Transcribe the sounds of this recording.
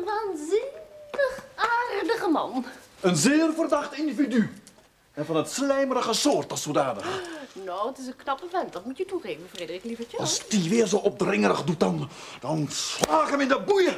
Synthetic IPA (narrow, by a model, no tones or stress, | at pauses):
ʋaːnzɪnəχaːrdəχəmɑ̰nənzɪːrvərdɑχtɪndividy | ɛnvɑnətslɛjmərəχəsoːrtɔsoːdaːnəχnowətɪs̬ənknɑpəmɛntdɑtmutjətuχeːvənfreːdərɪklivəəɑlsd̥iʋɪːrzowʔɔp̚drɪŋərəχdut̚dɑnd̥ɑnslaːkəmɪndəbujə